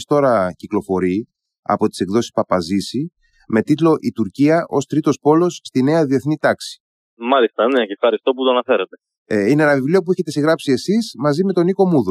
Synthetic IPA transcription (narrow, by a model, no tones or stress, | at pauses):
st̪o̞ɾɐciklo̞fo̞ɾi | ɐ̰po̞t̪i̥se̞kðo̞si̥spɐpɐzisi | me̞t̪it̪lo̞ʔit̪uɾciɐʔo̞st̪ɾit̪o̞spo̞lo̞sːt̪ine̞ɐðie̞θnit̪ɐksi̥ | mɐlist̪ɐneefxɐɾist̪o̞put̪oɐnɐfe̞ɾɐt̪e̞ | inenɐvivliop̬ueçe̞t̪e̞siɣɾɐpsie̞sismɐzime̞t̪o̞niko̞muðu